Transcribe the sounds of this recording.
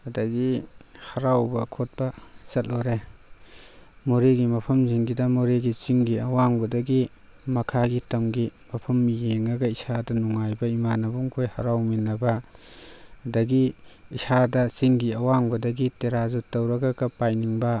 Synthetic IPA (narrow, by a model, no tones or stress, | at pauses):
ɐdɐɡihɐɾawbɐkʰot̚bɐsɐt̚loɾe | moɾeɡimɐpʰɐmziŋɡidɐmoɾeɡit͡ʃiŋɡiɐwaŋbɐdɐɡi | mɐkʰaɡitɐmɡimɐpʰɐmjeŋɐɡɐisadɐnuŋajbɐimanɐbuŋkʰojhɐɾawminɐbɐː | dɐɡiisadɐt͡ʃiŋɡiɐwaŋbɐdɐɡiteɾazutːɐwɾɐɡɐɡɐpajniŋbɐ